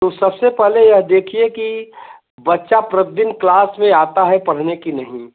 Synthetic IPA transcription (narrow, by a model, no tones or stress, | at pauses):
t̪osɐbsepɛɦlejɐɦd̪eːkʰieki | bɐtːʃapɾət̪̚d̪ɪnklaːsmẽaːt̪aɦɛpɐɽ̤nekinɐɦĩ